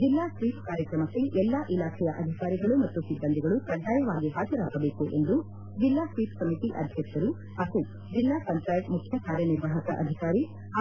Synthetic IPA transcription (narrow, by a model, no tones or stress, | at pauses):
d͡ʒilːaːsʋiːpkaːɾjɐkɾɐmɐseʔɛlːaʔilaːkʰɛjɐʔɐd̪ʱikaːɾiɡɐɭumɐt̪ːusibːɐnd̪iɡɐɭupɾɐdaːjɐʋaːɡiɦaːd͡ʒɐɾa̰ːɡɐbeːkuʔe̞̰nd̪u | d͡ʒilːaːsʋiːpsɐmit̪iʔɐ̰d̪ʱjɐkʃɐɾu | ɐku | d͡ʒilːaːsɐnʈaːjʈmukʰjɐkaːɾjɐniɾʋaːɦɐkɐ̰ʔɐ̰d̪ʱikaːɾi